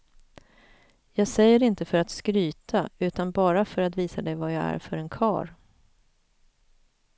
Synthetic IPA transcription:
jɑːɡsɛjːəɾɪnt̪əfœɾat̪skɾyːt̪ʰaʉ̟ːt̪anbɑːɾafœɾat̪viːsad̪ɛjvajɑːæ̰ɾfœɾɛnkʰɑ̰ːɾ

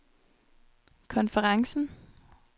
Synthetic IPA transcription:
kʰɔ̽nfəʁɑ̈ŋsn̩

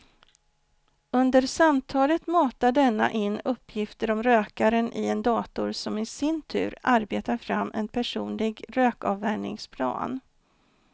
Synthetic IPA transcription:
ɵnd̪əɾsamt̪ʰɑːlət̪mɑːt̪aɖɛnːa̰ʔɪnːɵpːjɪft̪əɾɔmɾøːkaɾənʔɪɛnd̪ɑːt̪ʊɾsɔmɪsɪnt̪ʰʉ̟̰ːɾaɾbeːt̪aɾfɾamːɛnpʰæʂuːnlɪɡɾøːkɑ̰ːvːæɳɪ̰ŋspʰlɑ̰ːn

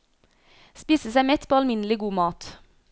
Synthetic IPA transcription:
spiːsəsæɪmɛt̪pʰoːɑlmɪnəlɪɡuːmɑːt̪

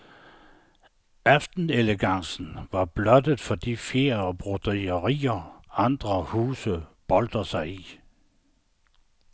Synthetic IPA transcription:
æfd̥n̩eləɡ̥ɑ̈ŋsn̩ʋɑ̈b̥lɒ̽d̥əð̩ˠfɒ̽d̥ḭfjeːɐɒb̥ʁod̥ʁiəʁḭːɐɑ̈nd̥ʁɐhuːsəb̥ɒ̽ld̥ɐsɑ̈ɪi

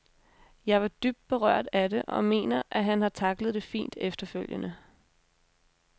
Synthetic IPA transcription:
jɑ̈ɪʋɑ̈d̥yb̥̚d̥̚b̥e̝ʁɶɐ̰d̥æɾe̝ʔɒ̽me̝̰ːnɐʔæɦænhɑ̈t͡sʰɑ̈ɡ̥ləð̩ˠd̥e̝fḭːnd̥efd̥ɐføl̰jənə

